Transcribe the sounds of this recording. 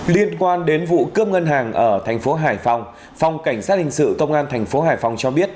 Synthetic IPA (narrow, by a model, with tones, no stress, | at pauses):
li˧ənkwaː˧nɗe˨˦nvṵ˧˨kɨ˦˥əm̚ŋə˧nɦaː˨˩ŋʔəː˧˩t̪ʰɛ˨˩jŋ̟fo˨˦ɦaː˧˩jfa˧wŋ͡m | fa˨˧wŋ͡mka˧˩jŋ̟saː˦˥t̚hï˨˩ŋ̟sɨ̰˧˨kə˧wŋ͡mʔaː˧nt̪ʰɛ˨˩jŋ̟fo˨˦ɦaː˨˩jfa˨˧wŋ͡mt͡ɕɔ˧ɓi˦˥ət̚